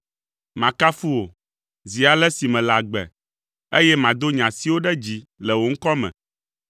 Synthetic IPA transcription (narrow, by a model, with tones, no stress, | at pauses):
mã˨ka˦fu˦wo˨ | zi˨a˨lɛ˦si˨mɛ̃˨la˨ɡ͡bɛ̰˨ | e˦jɛ˦mã˨d̪o˦ɲã˨si˦wo˦ɖɛ˦d͡ʑi˨lɛ˨wo˨ŋ̩˦kɔ˦mɛ̰̃˨